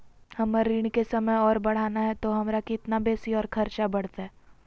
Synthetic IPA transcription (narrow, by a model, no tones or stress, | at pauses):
hɐmaɾiːɽ̃kesɐməjɔːɾbɐɽ̤aːnaɦɛt̪oɦɐmɾakɪt̪nabeːsiɔːɾkʰɐɾt͡ʃabɐɽ̤t̪ɦɛː